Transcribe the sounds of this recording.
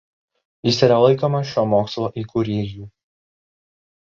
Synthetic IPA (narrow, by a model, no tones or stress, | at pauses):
jɪsiˑɾɐlˠɐɪkoːmɐʃʲoːmoːkslˠoːʔiːkʊɾʲeːjuː